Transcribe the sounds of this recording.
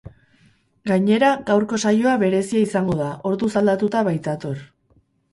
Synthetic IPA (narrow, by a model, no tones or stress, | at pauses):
ɡaɲe̞ɾaɡawɾko̞sajo̞aβe̞ɾe̞siaisaŋɡo̞ðaʔo̞ɾðusald̪at̪ut̪aβajt̪at̪o̞ɾ